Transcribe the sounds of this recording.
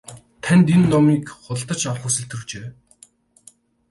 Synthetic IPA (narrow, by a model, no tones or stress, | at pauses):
t̪ʰænʲt̪enːɔmiːkχʊɮt̪ə̆t͡ɕarχuːsɘ̆ɬt̪̆rɵ̆kt͡ɕeː